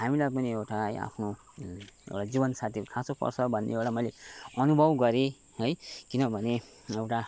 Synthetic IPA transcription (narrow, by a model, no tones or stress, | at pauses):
ɦamilajp̬ʌniewʈaɦʌja̰pʰno | ḛwʈad͡zibʌnsat̪ʰikʰasopʌ̰rsʰʌbʱʌnːḛewʈamʌjleʌnubʱʌbɡʌɾe | ʌjkinʌbʱʌne | ewʈa